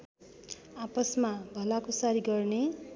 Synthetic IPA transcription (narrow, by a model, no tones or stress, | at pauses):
apʌsmabʱʌlakosaɾiɡʌrne